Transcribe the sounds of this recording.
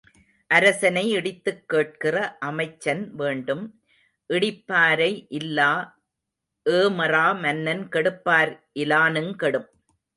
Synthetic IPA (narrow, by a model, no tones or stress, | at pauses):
ʔɐɾɐsɐnɐɪɪɽɪt̪ːɯkːeːʈ̚kɪrɐʔɐmɐɪt͡ʃːɐnʋeːɳɖɯm | ʔɪɽɪpːaːɾɐɪʔɪlːaː | ʔeːmɐraːmɐnːɐnkɛɽɯpːaːɾʔɪlaːnɯnkɛɽɯm